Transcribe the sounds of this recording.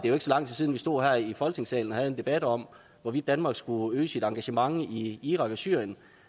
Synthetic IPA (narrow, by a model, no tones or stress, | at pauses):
d̥e̝æjoeɡ̥sɒ̽lɑ̈ŋ̰t͡sʰisiːð̞ˠn̩ʋisd̥o̝ð̰ˠɦæɐ̰ifɒ̽lɡ̥ne̝ŋsɛ̰ːln̩ɒhæð̞̩ˠend̥e̝b̥æd̥ɒ̽m̰ | ʋɒʋid̥ːænmɑ̈ːɡ̥sɡ̥uøːsid̥ɑ̈ŋɡ̥æɕəmɑ̈ŋiiːʁɑ̈ɡ̥ɒ̽syɐ̰jən